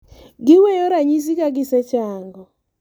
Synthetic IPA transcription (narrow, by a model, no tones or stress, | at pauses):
ɡɪwɛjɔɾaɲis̬ikaɡɪsɛt͡ʃaːŋɡɔ